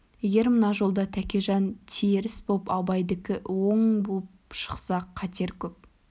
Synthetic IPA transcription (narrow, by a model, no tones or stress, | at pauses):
jeɡʲe̞ɾmənɑʒo̞lˠd̪ɑt̪ʰækʲe̞ʒɑnt̪ʰeɾɪsbolˠpɑbɑjd̪ɪkʲɪwo̞ɴbolˠpʃə̥qsɑqʰːɑt̪ʰe̞ɾkʲʰɵp̚